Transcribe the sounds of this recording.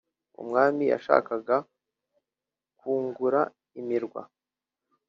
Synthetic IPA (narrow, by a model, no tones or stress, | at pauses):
ṵmŋaːmija̰ʃa̰ːkaɡa | kuːŋɡuɾa | imiɾɡwa̰